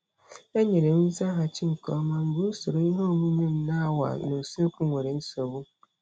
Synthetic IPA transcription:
e˦ɲe˨ɾe˨m̩˦n̩˦za˦ɦa˨t͡ʃɪ˦ŋ̩˨kɔ˦ma˦ŋ̩˨ɡu˦so˨ɾo˨i˦ɦɔ˦o˦mu˦ɲʷe˦m̩˦na˦wa̰˨no˨se˦ku˦ŋʷe˨ɾe˨n̩˦so˨bu˦

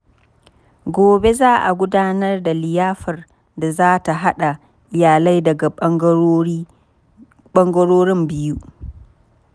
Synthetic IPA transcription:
ɡʷoː˨be˦zaː˦ʔa˨ɡʷʊ˦daː˦nɐ˦rda˨lɪ˨jaː˦ɸɐ˨r | da˨zaː˦ta˨ɦa˦ɗa˨ | ʔɪ˨jaː˨la˦jdɐ˨ɡa˨˦ | ɓɔ˦ŋɡɔ˦ɾoː˦ɾɪ˦mbɪ˦ju˦

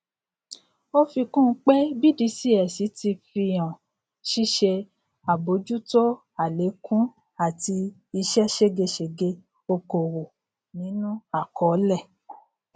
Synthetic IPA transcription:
o˦fi˧kũ˦˨˦k͡pe˦bi˦˨di˧˦si˦ɛ˨si˨˦ti˧fĩ˧ã˨ | ʃi˦˨ʃe˧ | a˨bo˨˦d͡ʒu˦to˦ | a˨le˨˦kʰũ˦ | a˦˨ti˧ | i˧ʃɛ˦ʃe˦ɡe˧ʃe˨ɡe˧ | o˧ko˨wo˨ | nĩ˨˦nũ˦a˦˨kɔ˨˦lɛ˦˨

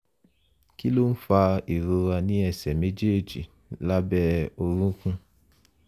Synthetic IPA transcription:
ki˦lo˦n̩˦fa˧e˨ɾo˧a˧nĩ˦ɛ˧sɛ˨me˨˦d͡ʒe˦e˨d͡ʒi˨ | la˦bɛ˦o˧ɾũ˦kũ˦

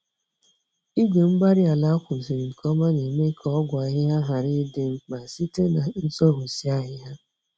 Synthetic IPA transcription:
i˦ɡe˨ŋ͡m̩˦ɡ͡ba˦ɾɪ˦a˨la˦a˦kʷʊ˨si˨ɾi˨kʰɔ˦ma˦ne˨me˦kʰɔ˦ɡʷa˨ɦɪ˦ɦa˦ɦa˨ɾi˦de˦m̩˦ma˨si˦te˦na˨n̩˦sɔ˦ɦʊ˨si˦a˦ɦɪ˦ɦa˦

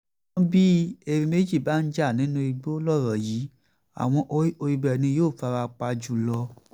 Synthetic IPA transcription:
bi˦e˨ɾĩ˧me˦d͡ʒi˦˨ba˨˦n̩˦d͡ʒa˦˨nĩ˨˦nũ˧˦i˧ɡ͡bo˦lɔ˦˨ɾɔ˨ji˨˦ | a̰˨w̃ɔ̃˧ʔo˧i˧bɛ˨nĩ˧joː˦˨fa˧ɾa˧k͡pa˧d͡ʒu˨lɔ˧

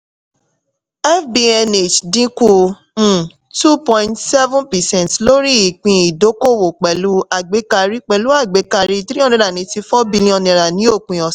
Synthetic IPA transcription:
ɛ˦fbi˧ɛ˧ne˨t͡ʃdĩ˦kũ˦˨ | tu˦pɔ̃˧ĩ˧ntsɛ˦vũ˦npɛ˨sɛ̃˨ntlo˦ɾi˦i˨k͡pĩ˧i˨do˨˦ko˦˨wo˨k͡pɛ˨lu˨˦a˦˨ɡ͡be˨˦ka˧ɾi˦k͡pɛ˨lu˨˦a˦˨ɡ͡be˨˦ka˧ɾi˧˦˧tɾi˦ɔ˦nĩ˧˨ɾa˨nĩ˨˦ti˧fɔ˦bi˧lĩ˦ɔ̃˧nɛ̃˨ɾa˨nĩ˨˦o˦˨k͡pĩ˨ɔ˨s

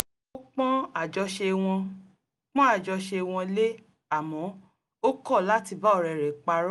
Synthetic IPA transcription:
o˦k͡pɔ̃˦a˨d͡ʒɔ˧ʃe˧w̃ɔ̃˧ | k͡pɔ̃˦a˦˨d͡ʒɔ˧ʃe˧w̃ɔ̃˧le˦ | a˦˨mɔ̃˨˦ | o˦kɔ˦˨la˦ti˧ba˦ɔ˦˨ɾɛ˨ɾɛ˨k͡pa˧ɾ

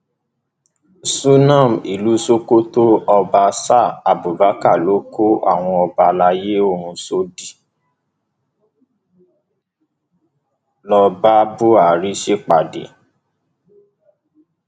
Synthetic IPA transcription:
su˦nã˦˨mi˨lu˨˦so˦ko˦to˦ɔ˧ba˧sa˦˨a˨bo˨ba˨˦ka˦˨lo˨˦ko˦a̰˦˨w̃ɔ̃˧ɔ˧ba˧la˧˦je˦o˦˨ɾ̃ũ˧so˦di˦˨ | lɔ˧ba˦bo˦a˨ɾi˦ʃe˦k͡pa˨dḛ˨

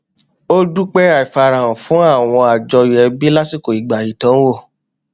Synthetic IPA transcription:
o˦du˦k͡pɛ˦a˦˨i˨fa˧ɾã˨ɔ̃˨fũ˨˦a˦˨w̃ɔ̃˧a˨d͡ʒɔ˧i˨ɛ˧bi˦la˦si˦˨ko˨i˨ɡ͡ba˨i˨tɔ̃˨˦wo˦˨

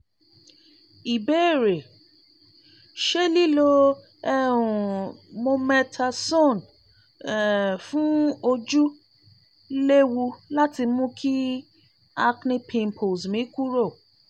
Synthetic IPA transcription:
i˨be˨˦˨ɾe˨ | ʃe˦li˦lo˧ | ɛ˦ũ˨mo˧mɛ˧tʰa˧so˦˨n˨ | fũ˦o˧d͡ʒu˦ | le˦wu˧la˦ti˧˦mũ˦kʰi˦ | a˧knĩ˧˦pʰĩ˨m˨pʰo˨zmĩ˨˦ku˦ɾo˦˨

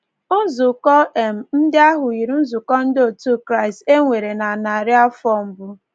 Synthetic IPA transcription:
ʊ˦zu˨kɔ˦e˨m̩˨n̩˦dɪ˦a˦ɦʊ˨i˨ɾu˦n̩˦zu˨kɔ˦n̩˦do˨tu˦kɾa˦ɪ˨ste˦ŋʷe˨ɾe˨na˨na˨ɾɪ˦a˦fɔ˦m̩˦bʊ˦

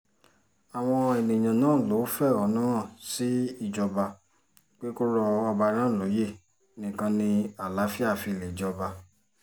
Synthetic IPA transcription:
a˨w̃ɔ̃˧e˨nĩ˨j̃ã˨nãː˦˨lo˨˦fɛ˦˨ɔ˧˦nũ˦ɾ̃ã˦˨si˦i˦˨d͡ʒɔ˧ba˧ | k͡pe˦ko˦ɾɔ˧ɔ˧ba˧ɾ̃ã˦˨lo˨˦je˦˨ | nĩ˦˨kã˧nĩ˧a˨la˨˦fi˦a˦˨fi˧˨le˨d͡ʒɔ˧ba˧

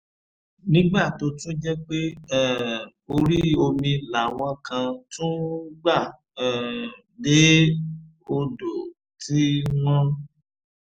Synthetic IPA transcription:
nĩ˦ɡ͡ba˦˨to˨˧tũ˦d͡ʒɛ˦k͡pe˦ɛ˦˨ | o˧ɾi˦o˧mĩ˧la˨w̃ɔ̃˧kʰã˧tũ˦ɡ͡ba˦˨ | ɛ˦˨ | de˨˦ | o˧do˨ | tʰi˦nɔ̃˦

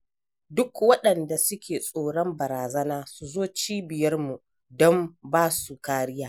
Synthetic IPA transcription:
dʊ˦kwɐ˦ɗɐ˨nda˨sʊ˦kʲeː˨sʼoː˦˨ɽɔ˦mbɐ˨ɾaː˨zɐ˦naː˦su˨zoː˦t͡ʃiː˦bɪ˨jɐ˦rmu˨ | dɔ˦mbaː˦su˨kaː˦ɽɪ˦jaː˨

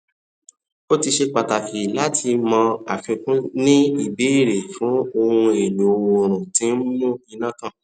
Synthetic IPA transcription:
o˦ti˧ʃe˧k͡pa˨ta˨fi˨la˦tʰi˧mɔ̃˧a̰˨fĩ˨˧kũ˦nĩ˦i˦˨be˨˦i˦˨ɾe˨fũ˨˦o˧hũ˧e˨nu˨o˧wo˧˨ɾ̃ũ˨tĩ˨˦n̩˦mũ˦i˧nã˦kã˦˨

